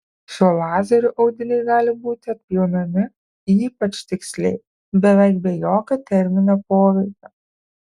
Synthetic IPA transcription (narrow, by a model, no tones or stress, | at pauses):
ʃʲulˠɑːzʲɐɾʲʊʔɐʊd̪ʲɪnʲɛɪɡɑːlʲɪbuːt̪ʲɪɐt̪̚ʲpʲjoːnɐmʲɪ | iːpɐt͡ʃt̪ʲɪksʲlʲɛ̰ɪ | bʲɛʋʲɛɪkbʲɛjoːkʲot̪ʲɛɾʲmʲɪnʲoːpoːʋʲɛɪkʲoː